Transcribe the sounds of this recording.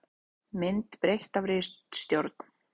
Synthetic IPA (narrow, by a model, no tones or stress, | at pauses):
mɪnt̪pɾejht̪avɾɪst̪st̪joɾt̪n̥